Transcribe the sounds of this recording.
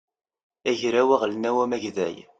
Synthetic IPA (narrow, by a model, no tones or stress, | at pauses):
æʝɾæwæʁlnæwæmæʝðæ̰j